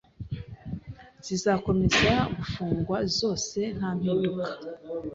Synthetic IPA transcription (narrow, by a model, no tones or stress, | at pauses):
z̥izaːko̞me̞zaɡufuːŋɡwazo̞ːse̞n̥haːm̥hiːndukḁ